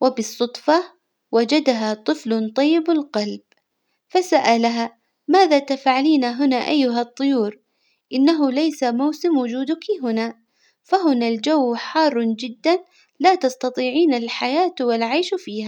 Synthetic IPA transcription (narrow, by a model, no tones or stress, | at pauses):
wabɨsˤːʊt̪ˤfɑ | wad͡ʒad̪aɦat̪ˤɨflt̪ˤɑjːɪbalqɑlb̚ | fasaʔalaɦa | maːðat̪afʕaliːnaɦʊnaʔajːʊɦat̪ˤːʊjuːɾ | ʔɪnːaɦʊlajsamawsɪmwʊd͡ʒuːd̪ʊkiɦʊna | faɦʊnald͡ʒawːħɑːrˤːd͡ʒɪd̪ːan | laːt̪ɑst̪ɑt̪ˤiːʕiːnalħajaːt̪wɪlʕajʃfiːha